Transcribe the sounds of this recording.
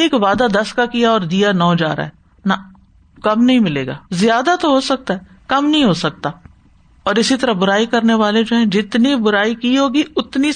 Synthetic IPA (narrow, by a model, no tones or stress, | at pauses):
eːkʋaːd̪ad̪ɐskakijaɔːɾd̪ijanɔːd͡ʒa̰ːɾa̰ɦɛː | nɐ | kɐmnɐɦĩmɪlḛːɡa̰ːzjaːd̪at̪oɦosɐk̚t̪aɦɛː | kɐmnɐɦĩɦosɐk̚t̪aː | ɔːɾɪsit̪ɐɾəɦbʊɾaːikɐɾneʋaːled͡ʒoːɦɛ̃ːd͡ʒɪt̪nibʊɾaːikiɦoːɡiʊt̪ni